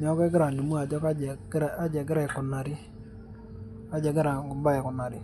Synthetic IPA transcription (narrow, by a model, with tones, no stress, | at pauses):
ɲɔ˨˦kɛ˦ɡɪ˦ɾa˨ni˨mu˦a˨d͡ʒɔ˦ka˦d͡ʒɛ˨ɡɾa˦d͡ʒɛ˨ɡɾɛ˨kʊ˨na˨ɾɪ˦ | a˦d͡ʒɛ˨ɡɪ˦ɾa˨ɡʊ˨mba˦ɛ˨kʊ˨na˨ɾɪ˨